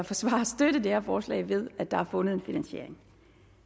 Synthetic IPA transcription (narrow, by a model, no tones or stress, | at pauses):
ɑfɒ̽sʋɑ̰̈sd̥ødəd̥ehæɐfɒːslɛ̰ɪʋe̝ð̞ˠæd̥ɑ̈æɐfɔ̽nəð̞̩ˠe̝nfinænɕe̝ɐ̰e̝ŋ